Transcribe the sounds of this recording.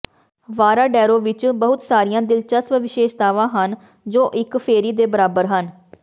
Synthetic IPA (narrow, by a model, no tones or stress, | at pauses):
ʋaːɾaːɖɛːɾoːʋɪt͡ʃbəɦʊt̪saːɾijãːd̪ɪlt͡ʃəsʋʋɪʃeːʃd̪aːʋãːɦən | d͡ʒoːʔɪkpʰeːɾiːd̪eːbəɾaːbəɾɦən